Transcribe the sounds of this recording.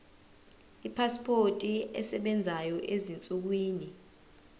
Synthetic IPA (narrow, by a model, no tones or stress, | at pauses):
ipʰaspʰotʼiɛ̰sɛɓɛnd͡zʱajɔʔezint͡sʼuk̬wiːni